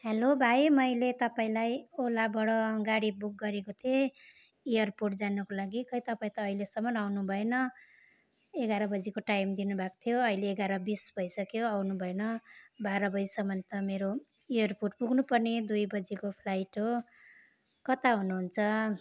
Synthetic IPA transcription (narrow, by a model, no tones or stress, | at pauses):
helobʱajmʌjlet̪ʌpaĩlajolabʌɽʌɡaɽibuk̚ɡʌɾekot̪ʰe | ijʌrpoʈd͡zanʌkolaɡikʌjt̪ʌpaĩt̪ʌːilesʌmʌnawnubʱʌenʌ | eɡaɾʌbʌd͡zikoʈajmd̪inubʱako̥t̪ʰijoʌileːɡaɾʌbisbʱʌjsʌkjoawnubʱʌenʌbaɾʌbʌd͡zisʌmʌnt̪ʌmeɾo | ijʌrporʈbuɡnupʌrned̪ujbʌd͡zikopʰlajʈɦo | kʌt̪aɦunuɦunt͡sʰʌ